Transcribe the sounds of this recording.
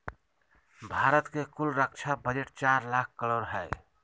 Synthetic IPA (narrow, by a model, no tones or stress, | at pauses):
bʱaɾət̪kekulɾək̚t͡ʃʰabəd͡ʒeʈt͡ʃaɾlak̚ʰkəloɾɦəj